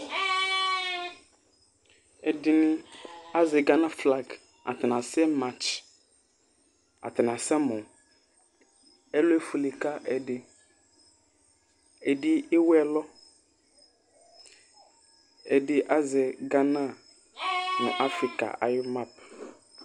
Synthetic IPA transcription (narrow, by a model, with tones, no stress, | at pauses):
ɛ˨dɪ˨nɪ̃˦a˦zɛ˨ɡa˦nã˦fla˦ɡ | a̰˨t̪ɪ˨nã˨sɛ˦ma˦t͡ʃ | a̰˨t̪ɪ˨nã˨sɛ˦mɔ̃˨ | ɛ˦lʊ˦e˦fu˨li˨ka˦ʔɛ˨dɪ˨ | ɛ˨dɪ˦ɪ˦wɛ˨lɔ˦ | ɛ˨dɪ˨ʔa˦zɛ˨ɡa˦nã˦˨ | nʊ̰̃˨ʔa˦fɾi˨ka̰˨a̰˨jɪ˦ma˦p̚